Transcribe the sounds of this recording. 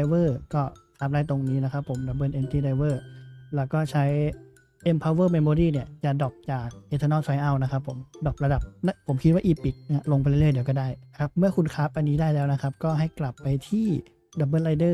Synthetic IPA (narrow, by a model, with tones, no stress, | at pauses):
a˧wɤː˥˩kɔː˥˩kʰaː˦˥p̚daː˥˩jt̪o˧ŋniː˦˥na˦˥kʰa˦˥pʰːo˨˩˦mda˨˩bɤː˧˩˨ʔe˧mt̪ʰiː˧˥˩da˧jwɤː˥˩lɛː˦˥wkɔː˥˩t͡ɕʰa˦˥j | ʔe˧mpʰaː˧wəː˥˩me˧moː˧ɾiː˥˩ni˥˩ɐt͡ɕa˨˩dɔː˨˩p̚t͡ɕaː˨˩k̚ʔe˧t̪ʰaː˧nɔː˥˩sʰa˧˦jʔa˧˩wna˦˥kʰa˦˥pʰːo˨˩˦mdɔː˨˩p̚ɾa˧da˨˩p̚na˦˥pʰːo˨˩˦mkʰi˦˥waː˥˩ʔiː˧pi˨˩k̚ːlo˧ŋpa˧jllɯ˥˩jdi˩˦wkɔː˥˩daː˥˩jkʰa˦˥p̚mɯ˥˩ɐəkʰu˧nkʰaː˦˥p̚ʔa˧nːiː˦˥daː˥˩jlɛː˦˥wna˦˥kʰa˦˥p̚kɔː˥˩ɦa˥˩jkla˨˩pːa˧jt̪ʰiː˥˩ | da˨˩bəː˧˥nla˧jdɤː˥˩